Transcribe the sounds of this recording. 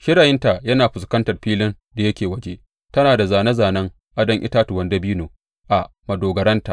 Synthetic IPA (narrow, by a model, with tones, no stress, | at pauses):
ʃɪ˦ɽaː˨jɪ˦nta˨jɐ˦naː˨ɸʊ˨skɐ˦ntɐ˨rɸiː˦lɪ˦n | da˨jɐ˦kʲeː˨wɐ˦d͡ʒe˦ | tɐ˦naː˨da˨zaː˨nɐ˦zaː˨nɐ˦ŋ | ʔa˦dɐ˦ŋʔɪ̰˦taː˦tu˨wɐ˨ndɐ˦biː˦noː˨ | ʔa˨ʔ | mɐ˨doː˨ɡɐ˨ɾɐ˦nta˨ʔ